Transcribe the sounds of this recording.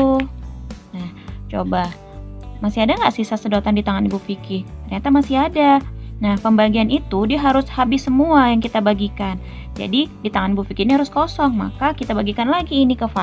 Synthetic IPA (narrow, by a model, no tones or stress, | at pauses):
naht͡ʃoba | masiadaŋɡaʔsisasədot̪andit̪aŋanibufikɪt̪ərɲat̪amasiadanahpəmbaɡianit̪udiaɦaɾʊshabɪsːəmuajaŋkit̪abaɡikan | d͡ʒa̰didit̪aŋanibufikɪniɦaɾʊskosɔŋma̰kakit̪abaɡikanlaɡiːnikəfa